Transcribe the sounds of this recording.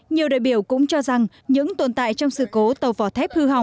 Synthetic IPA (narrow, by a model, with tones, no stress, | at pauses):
ɲi˨˩əwɗa̰ː˧˨jɓi˧˩əwkʊ̰˧˥ŋ͡mt͡ɕɔ˧za˨˩ŋ | ɲɨ̰˧˥ŋt̪wə˨˩nt̪a̰ː˧˨jt͡ɕɔ˧wŋ͡msɨ̰˧˨ko˨˦t̪ə˨˩wvɔ˨˧˩t̪ʰɛ˦˥p̚hɨ˧ɦa˨˩wŋ͡m